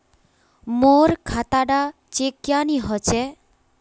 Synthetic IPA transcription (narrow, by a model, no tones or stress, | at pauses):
moɾkʰat̪aɖa | t͡ʃekjaniɦɔt͡ʃɛ